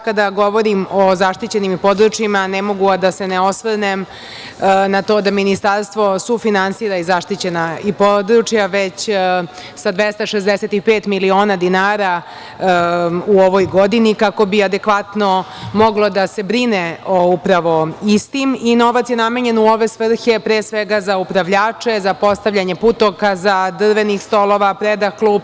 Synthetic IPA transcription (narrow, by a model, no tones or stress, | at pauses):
kad̪aɡo̞ʋo̞ɾimozaʂt̪it͡ɕe̞nimipo̞d̪ɾut͡ʃjimanemo̞ɡuad̪ase̞neo̞sʋnem | nat̪o̞ːd̪aminist̪aɾst̪ʋo̞sufinansiːɾaizaʂt̪it͡ɕe̞naipod̪ɾut͡ʃjaʋe̞t͡ɕ | sad̪ʋest̪aʃezd̪eset̪ipeːt̪milio̞ːnad̪inaːɾa | uoʋojɡo̞d̪inikako̞biad̪ekʋat̪no̞mo̞ɡlˠo̞d̪ase̞bɾineoupɾaʋo̞ist̪imino̞ʋat̪sjename̞ɲe̞nuo̞ʋe̞sʋr̩çe̞pɾeːsʋeɡazaupɾaʋʎaːt͡ʂe̞zapo̞st̪aʋʎaɲe̞put̪okazad̪r̩ʋe̞nixst̪o̞lˠoʋapɾed̪axklˠuːb̚